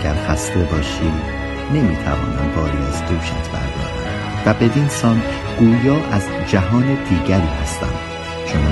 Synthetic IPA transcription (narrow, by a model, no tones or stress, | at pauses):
ɡæɾxæst̪e̞bɒːʃiːd̪ | ne̞miːt̪ʰæ̰vɒ̰ːnæ̰mbɒːɾiːæzd̪uːʃæ̰t̪ʰbæ̰ɾd̪ɒ̰ːɾæ | væbe̞vinsɒn | ɡ̥uːjɒːʔæz | d͡ʒæɦɒːned̪̥iːɟæɾiːhæst̪æ̰nd̪̥ | ʃʰonː